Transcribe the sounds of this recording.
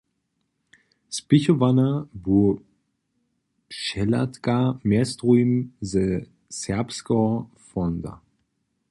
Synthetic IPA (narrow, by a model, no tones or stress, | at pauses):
spɪçovanabu | ʃɛlatkamɛstʁuimzə | sɛɐpskɔfɔnd̪a̰